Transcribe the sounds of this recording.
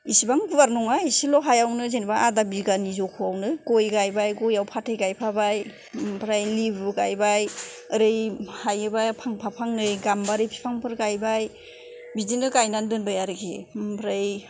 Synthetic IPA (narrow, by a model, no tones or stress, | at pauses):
isibaŋɡubaɾnɔŋaisilɔɦajawnɯzenbaʔadabiɡanizɔkʰuawnɯɡojɡajbajɡɔjawpʰatʰɯjɡajpʰabaj | mpʰɾajlibɡajbajɯɾɯjhajɯbajpʰaŋpʰapʰaŋnɯjɡambaɾɯjpʰi̥pʰaŋpʰɯɾɡajbaj | bizinɯkajnandɯnbajaɾɯkʰḛmpʰɾaj